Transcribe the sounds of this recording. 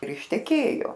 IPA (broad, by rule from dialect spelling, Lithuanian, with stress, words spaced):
ɪr ɪʃʲtʲɛˈkʲeːjoː